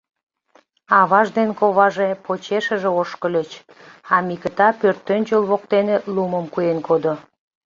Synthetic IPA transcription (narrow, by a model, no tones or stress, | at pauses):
ɑβɑʒd̪enkoβɑʒepot͡ɕeʃəʒĕoʃkəlʲət͡ɕ | ɑmikət̪ɑpørt̪ːønt͡ɕolβok̚t̪eneluməmkujenkʰod̪o